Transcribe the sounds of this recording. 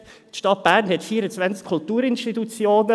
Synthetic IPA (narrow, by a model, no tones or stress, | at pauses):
t̪ʃtɑt̪̚b̥æːɾnɦɛt̪fiəɾət͡svænt͡skʰʊlt̪uːɾɪnʃtitut͡sjoːnə